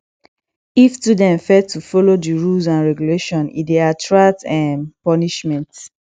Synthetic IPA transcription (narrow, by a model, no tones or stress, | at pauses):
iftudɛ̃nfɛtufɔlodiɹulzãnɹɛɡuleʃɔ̃nḭdeatʰɹaktɛ̃mpɔniʃmɛ̃nt